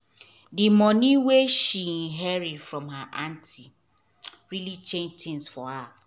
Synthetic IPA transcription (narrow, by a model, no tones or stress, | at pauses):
dɪmɔ̃nĩweʃin̩ɦɛɾɪdfɹɔ̃mhaʔantʰi | ɹilit͡ʃʰẽntʰɪ̃nsfɔha